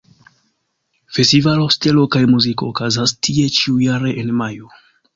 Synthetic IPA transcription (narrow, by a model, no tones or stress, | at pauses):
fe̞stivaloste̞lo̞kajmuziko̞ːkazastʰie̞t͡ʃiujaɾe̞ʔenmajo